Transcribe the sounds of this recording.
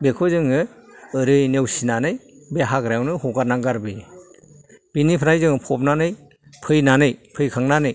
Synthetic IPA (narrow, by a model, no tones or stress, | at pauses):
bekʰɯzɯŋɯɯɾɯjnewsinanɯj | beɦakɾawnɯhɔɡaɾnaŋɡaɾbi | b̥inipʰɾajzɯŋɯpʰɔp̚nanɯj | pʰɯjnanɯjpʰɯjkʰaŋnanɯj